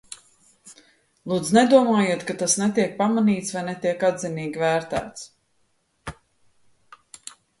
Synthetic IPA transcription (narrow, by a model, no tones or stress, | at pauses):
lˠuːd̪zned̪uɔmaːjiɛt̪kat̪asnet̪iɛk̚pamaniːt̪svajnɛt̪iɛkad̪ziniːɡʲvæːɾt̪æ̰ːt̪s